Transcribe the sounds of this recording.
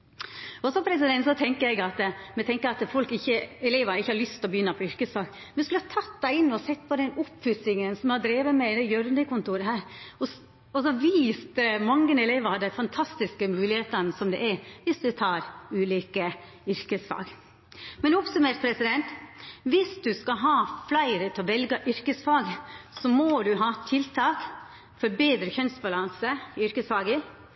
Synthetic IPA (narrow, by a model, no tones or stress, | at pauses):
ɔsɔpʰɾɛs̬ɪd̪ɛnt̪sɔt̪ʰɛŋkəɾɛɡɑt̪mɛt̪ʰɛŋkəɾɑt̪fɔlkɪçːəɛleːʋɑnɪçːəhɑɾlʏst̪lɔbəjʏnːəpʰɔʏɾkəsfɑːɡ | mɛnɛskʉləhɑt̪ʰɑt̪ːd̪æɪɪnːɔsɛt̪̚ːpʰɔd̪ɛnɔpfʉsɪŋənsɔmhɑd̪ɾeːʋəmɛd̪ɛjœɾnəkʊnt̪uːɾəhæːɾɔ | ɔsɔɑʋiːst̪mɑŋːənɛleːʋɑɾɑd̪æɪfɑnt̪ʰɑst̪ɪskəmʉːlɪheːt̪ənəsɔmd̪ɛ̰ʔɛɾʋɪsd̪ʉt̪ʰɑːɾʉːliːkə | ʏɾkəsfɑ̰ːɡ | mɛnɔpsʉmeːʈ̚pʰɾɛsɪd̪ɛnt̪ʋɪsd̪ʉskɑɦɑːflæɪɾət̪ʰɛɔʋɛlɡəʔʏɾkəsfɑːɡsɔmod̪ʉɦɑːt̪ʰɪlt̪ʰɑːk | fɔɾbeːd̪ɾəçœnsbɑlɑnsəɪʏɾkəsfɑːɡə